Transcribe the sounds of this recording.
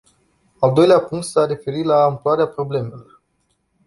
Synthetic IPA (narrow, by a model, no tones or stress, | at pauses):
ald̪o̞jleapuŋk̚t̪sare̞fe̞ɾilaɨmploaɾeapɾo̞ble̞me̞lo̞r